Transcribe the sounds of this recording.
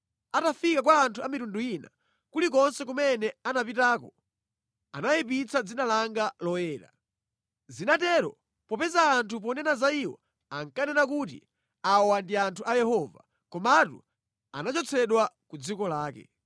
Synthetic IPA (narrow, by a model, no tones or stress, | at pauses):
atafikakwaːntʰuamitunduina̰ | kulik̬ɔnsɛkumɛnɛanapitaːkɔ | anajip̬it͡sʰad͡zinalaŋɡalɔjɛːɾa̰ | zinatɛɾɔ̰ | pɔpɛzaːntʰup̬ɔnɛnazaiwɔ̰ | aŋkanɛnakutḭ | awandiantʰuʔajɛhɔva̰ | kɔmatṵ | a̰nat͡ʃɔt͡sʰɛɗwakud͡zikɔlaːkɛ̰